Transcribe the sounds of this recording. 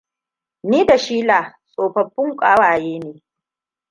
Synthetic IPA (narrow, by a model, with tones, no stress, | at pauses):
niː˦da˨ʃiː˦laː˨sʼoː˨ɸɐ˨ɸːʊ˦ŋkʷʼaː˦waː˨jeː˦neː˨